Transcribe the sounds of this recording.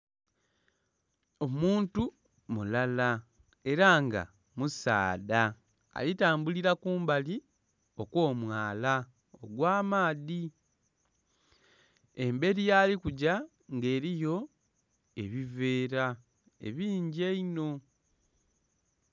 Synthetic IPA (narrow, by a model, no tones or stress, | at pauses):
o̞muːntu | mulala | e̞ɾaŋɡa̰ | musa̰ːda̰ː | litaːmbuliɾakuːmbali | o̞ko̞ːmwaːla | o̰ɡwaːmaːði | e̞mbe̞ɾijaːlikuɟa | ŋɡe̞ːɾijo̞ | e̞βive̞ːɾa | e̞̰βiːɲɟie̞ino̞